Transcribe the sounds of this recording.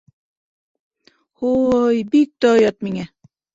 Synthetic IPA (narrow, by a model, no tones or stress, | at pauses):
hujbik̚t̪ojɔt̪̚miŋɛ